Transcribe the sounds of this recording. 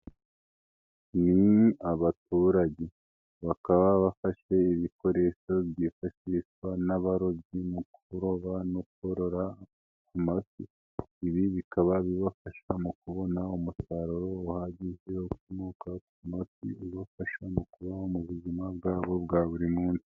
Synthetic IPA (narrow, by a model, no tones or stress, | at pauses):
niaβatuɾaɟe̞ | βakaβaβafaʃe̞iβiko̞ɾe̞ʃo̞bɟifaʃiʃwanaβaɾo̞bɟimukuɾo̞βanokuhoɾo̞ɾa | kumafiː | βiβikaβaβiβafaʃamukuβo̞naumusaɾoɾoːhaɟiʒehokumokakumafḭβafaʃamukuβaomuβuzimabɡaːβo̞bɡaːβuɾimuːnsi̥